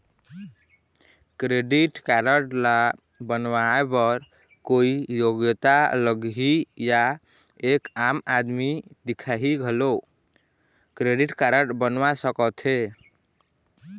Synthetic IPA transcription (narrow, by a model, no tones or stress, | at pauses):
kɾeɖiʈkaɾəʈla | bənwaepəɾ | koijoɡjət̪aləɡɦija | ekamad̪mid̪ikʰaɦiɡʱelo | kɾeɖiʈkaɾəʈbənʋasəkət̪ʰɦe